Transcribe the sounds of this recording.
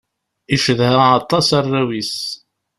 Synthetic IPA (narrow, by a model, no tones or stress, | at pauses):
iʃəðhæːt̪ˤːɑsɑrˤːæwis